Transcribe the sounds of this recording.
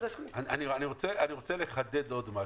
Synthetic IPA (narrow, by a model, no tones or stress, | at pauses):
aanianiʁo̞t͡seaniʁo̞t͡sele̞χad̪ed̪o̞d̪ma